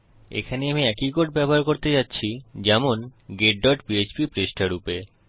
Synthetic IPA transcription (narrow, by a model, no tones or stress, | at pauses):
ḛkʰaneamiɛkikoʈ̚bɛboɦaɾkoɾt̪et͡ɕatːɕʰid͡ʑɛmonɡeɖɖɔʈpiet͡ɕpipɾeʃʈʰaɾupe